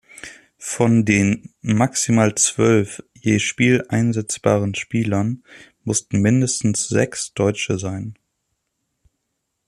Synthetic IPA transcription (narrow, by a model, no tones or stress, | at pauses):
fɔndeːnmaksimaːlt͡sv̥œlfjeːʃpiːlʔaɪnzɛt͡sb̥a̰ːʁənʃpiːlɐnmʊstn̩mɪndəstn̩sz̥ɛ̰ksd̥ɔʏt͡ʃəzaɪn